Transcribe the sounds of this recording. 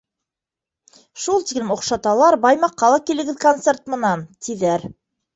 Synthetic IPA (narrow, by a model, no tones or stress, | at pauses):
ʃulˠt̪iklɘmŏqʃɑt̪ɑlˠɑɾbɑjmɑqːɑlˠɑkilɘ̆ɡɘðkont̪sert̪̚mɤ̆nɑnt̪ʰiðæɾ